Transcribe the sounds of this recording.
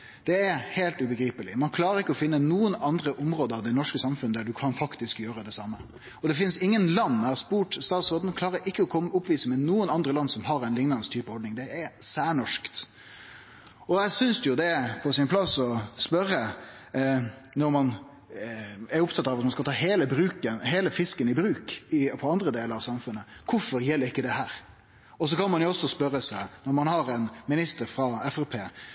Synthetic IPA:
d̪̥ɛːɾheːlt̪ʉbəɡɾiːpəlɪ̰mɑnkʰlɑːɾəɾɪkːəɔfɪnːənuːənɑnd̪ɾəʔʊmɾoːd̪əɑʋd̪ɛnɔʂkəsɑmfʉnəd̪æɖʉkʰɑnfɑkt̪ɪskjøːɾəd̪ɛsɑmːə | ɔd̪ɛfɪnsɪŋːənlɑnːæɾspuːʈst̪ɑːt̪sʁoːd̪nkʰlɑːɾəɾɪkːəɔkʰɔmʊpʋiːsəmɛnuːənɑnd̪ɾəlɑnsɔmɦɑɾɛɪnlɪŋːlɑnst̪ʰyːpəhɔɖ̪nɪŋd̪ɛɛɾsæːɳɔʂkt̪ | ɔjæɪsʏnsjʊd̪ɛpʰɔsɪnpʰlɑsɔspœɾːə | nɔɾmɑn | æɾʊp̚t̪ʰɑt̪ːɑʋɑt̪mɑnskɑlt̪ʰɑːɦeːləbɾʉːkənɦeːləfɪskənɪbɾʉːkɪpʰɔɑnd̪ɾəd̪eːləɾɑʋsɑmfʉnːəkʰʊɾfɔɾjɛlːəɾɪkːəd̪ɛhæːɾ | ɔs̬ɔkɑnmɑnjʊɔsːɔspœɾəsæɪnɔɾmɑnhɑɾɛnmɪnɪst̪əɾfɾɑɛfɛpʰeː

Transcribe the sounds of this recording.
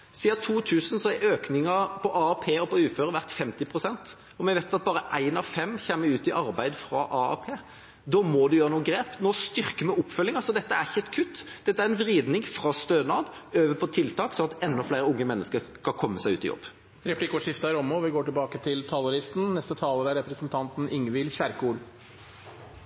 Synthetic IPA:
siːɑt̪ʰuːt̪ʰʉːsən̩sɔæøːknɪŋɑpʰɔʔɑɑpʰeːɔpɔʉːføːɾəʋæʁt̪fɛmt̪ɪpʰʁʊsɛnt̪ | ɔmɛʋeɪt̪ɑt̪̚bɑːɾəʔæɪnɑʋfɛmːçeːmːəɾʉːt̪ɪʔɑɾbæɪd̪fɾɑ̰ʔɑɑpʰeː | d̪ɔːmɔd̪ʉjøːɾənuːəɡɾeːpnoːst̪ʏʁkəmɛʊpfœlːɪŋɑlsɔd̪ɛt̪ːəæʁçɛt̪kʰʉt̪ːd̪ɛt̪ːəæɾɛnʋɾiːd̪nɪŋfʁɑst̪øːnɑːd̪øːʋəpʰɔt̪ʰɪlt̪ʰɑːksɔnɑt̪ɛnːɔflæɪɾəʊŋːəmɛnːəskəɾskɑkʰɔmːəsæɪʉːt̪ɪ̰jɔ̰bː | ɾɛpʰlɪkɔʂɪft̪ɑɾɔmːɔʋɪɡoːʈɪlbɑːkət̪ʰɪlt̪ʰɑləɾɪst̪n̩nɛst̪ət̪ʰɑːləɾæɾɛpɾəsənt̪ʰɑnt̪n̩ɪŋːʋɪlçæɾkuːl

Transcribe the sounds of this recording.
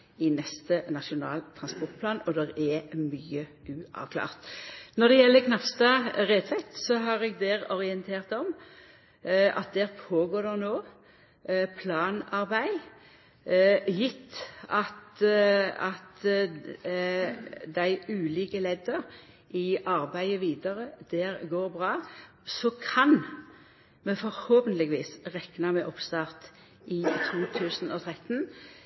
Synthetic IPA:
ɪnɛst̪ənɑʃʊnɑ̰ːlt̪ʰɾʁɑnspɔʁt̪̚pʰlɑːnɔd̪ɛɾɛmyːəʔʉːɑ̰ʋkʰlɑ̰ːʁt̪nɔd̪ɛjɛlːəkʰnɑpst̪ɑːɾɛt̪ʰʋɛt̪sɔɦɑʁɛɡ̚d̪ɛːɾɔʁɪənt̪ʰeːʁt̪ɔm | ɑ̰t̪̚d̪ɛːʁpʰoːɡoːɾd̪ɛnoː | pʰlɑːnɑɾbæɪ | jɪt̪ːɑt̪ | ɑt̪ | d̪æɪʉːliːkəlɛd̪əʁ | ʔɪʔɑʁbæɪəʋiːd̪əʁəd̪̥ɛːʁɡoːʁbʁɑː | sɔkʰɑn | mɛfɔɾhoːpənlɪɡʋiːsʁɛknɑmɛʔɔpst̪ɑːʁt̪ | ɪt̪ʰuːt̪ʰʉːsnɔt̪ʰʁɛt̪n

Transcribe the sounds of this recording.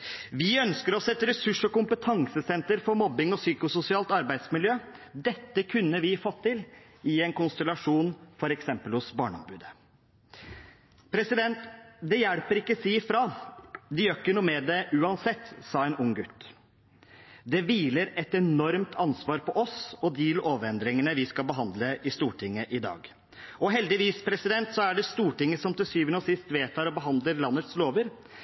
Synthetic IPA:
ʋɪœnskəɾɔsɛt̪ːəɾɛsʉʂɔkʊmpət̪ʰɑŋsəsɛnt̪əɾfɔɾmɔbːɪŋɔsyːkʊsʊsɪɑːlt̪ɑɾbæɪd̪smɪljøːd̪ɛt̪ːəkʰʉnːəʋɪfɔt̪ʰːɪl | ɪɛnkʊnst̪ɛlɑʂuːnfɔɾɛksɛmpəlhʊsbɑ̰ːɳəɔ̰mbʉːd̪ə | pʰɾɛsɪd̪ɛnt̪d̪ɛjæɽpəɾɪkːəsiːfɾɑːd̪ɪjœkːənuːmɛd̪ɛʔʉːɑnsɛt̪ːsɑːɛnʊŋɡʉt̪ː | d̪ɛʋiːləɾɛt̪ɛnɔɾmt̪ʰɑnsʋɑːɾpʰɔʔɔsɔd̪iːlʔoːʋɾɛnd̪ɾɪŋənəʋɪskɑlbəɦɑnd̪ləʔɪst̪uːʈʰɪŋːəʔɪd̪ɑ̰ːɡ | ɔɦɛld̪ɪʋiːspʰɾɛsɪd̪ɛnt̪sɔæɖɛst̪uːʈɪŋːəsɔmt̪ɪsyːʋənəɔsɪst̪ʋeːt̪ʰɑːɾɔbəɦɑnd̪ləɾlɑnːət̪sloːʋəɾ

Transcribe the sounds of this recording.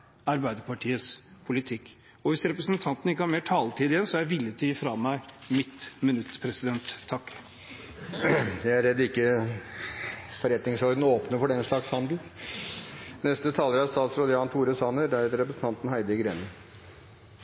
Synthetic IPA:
ɑɾbæɪd̪əpʰɑʈʰiːəspʰʊlɪt̪ʰɪkː | ɔʋɪsɾɛpɾəsnt̪ʰɑnt̪n̩ɪkːəhɑɾmeːʈʰɑːlt̪ʰiːd̪ɪjɛnsɔjæɪʋɪlːət̪ʰʏifɾɑːmæɪmɪt̪mənʉt̪ːpʰɾɛsɪd̪ɛnt̪ʰːɑkː | ɛæɾɛd̪ɪkːə | fɔɾɛt̪nɪŋsɔɾd̪n̩oːpnəfɔɖɛnʂɭɑkshɑnd̪l̩ | nɛst̪ət̪ʰɑːləɾɑst̪ɑːt̪sɾod̪əɑnt̪ʰuːɾəsɑːnəd̪æɾheːt̪əɾɛpɾəsn̩t̪ʰɑnt̪n̩hæɪd̪əɪɡɾeːnə

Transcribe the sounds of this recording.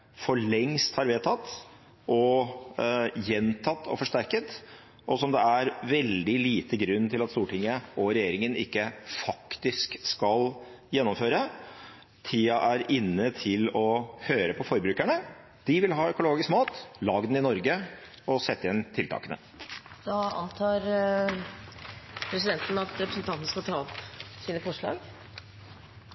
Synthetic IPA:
fɔɭɛŋst̪hɑɾʋeːt̪ʰɑt̪ː | ʔɔ | jɛnt̪ʰɑt̪ːɔ̰fɔʂʈæɾkət̪ | ʔɔsɔmd̪ɛæɾʋɛld̪ɪliːt̪əɡɾʉnːt̪ʰɪlɑt̪st̪uːʈʰɪŋːəɔɾɛjeːɾɪŋənɪ̰kːəfɑkt̪ɪskskɑl | jɛnːɔmføːɾə | t̪ʰiːɑʔæɾɪnːət̪ʰɪlɔhøːɾəpʰɔfɔɾbɾʉːkæɳə | d̪̥ɪʋɪlɦɑːœkʊloːɡɪskmɑːt̪lɑːɡd̪nɪnɔɾɡə | ɔsɛt̪ːəɛnt̪ʰɪlt̪ɑ̰ːkənə̰ | d̪̥ɑːɑ̰nt̪ʰɑːɾ | pʰɾɛs̬ɪd̪ɛnt̪n̩ɑt̪ɾɛpɾəsənt̪ʰɑnt̪nəskɑlt̪ʰɑːɔpsiːnəfɔʂɭɑ̰ːɡ

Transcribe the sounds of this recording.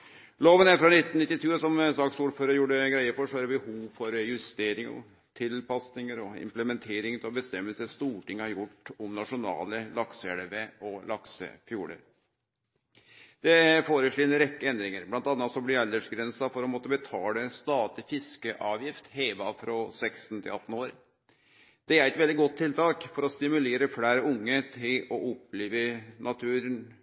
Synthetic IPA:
loːʋənæɾfɾɑnɪt̪ːnɪt̪ːɪt̪ʰʉːəsɔmsɑksuːɖføːɾəɾjuːɖəɡɾæɪəfɔʂɔæɾbəhuːʋfɔɾjʉst̪eːɾɪŋɔ̰ | t̪ʰɪlpɑsnɪŋəɾɔɪ̰mpləmɛnt̪ʰeːɾɪŋt̪ʰɪlɔbəst̪ɛmːəlsəəst̪uːʈɪŋːəhɑɾjʊʈːɔmnɑʂʊnɑ̰ːləlɑksəɛlʋeɔlɑksə̰fjuːɽə̰ɾ | d̪̥ɛfoːɾəʂɭiːɛnɾɛkːəɛnd̪ɾɪŋəɾblɑnt̪ɑnːɑt̪sɔblɪɑld̪əʂɡɾɛnsɑfɔɾɔmɔt̪ːəbət̪ʰɑːləst̪ɑːd̪ɪfɪskəʔɑːʋjɪft̪heːʋɑfɾɔsɛksn̩t̪ʰɪ̰lɑt̪ːn̩oːɾ | d̪̥ɛæɾɛt̪ʋɛld̪ɪɡɔt̪ʰːɪlt̪ɑːkfɔɾɔst̪ɪmʉleːɾəfɽæːɾəʊŋːət̪ʰɪlɔʔɔpːleːʋənɑt̪ʰʉːɾən

